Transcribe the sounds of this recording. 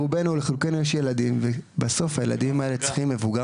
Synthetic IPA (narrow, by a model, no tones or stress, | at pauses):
ubenuleχilukenujeʃjelad̪imvebaso̞fhajela̰d̪imae̞let͡si̥χimːevuɡa